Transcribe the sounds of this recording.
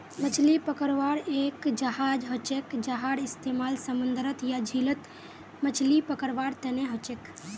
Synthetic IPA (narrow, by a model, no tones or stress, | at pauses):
mət͡ʃʰlipəkəɾʋaɽekd͡ʒəɦad͡ʒɦot͡ʃekd͡ʒəɦaɽɪst̪emaːlsəmund̪ɾət̪jad͡ʒʱilət̪ | mət͡ʃʰlipəkəɾʋaɾt̪əneɦot͡ʃek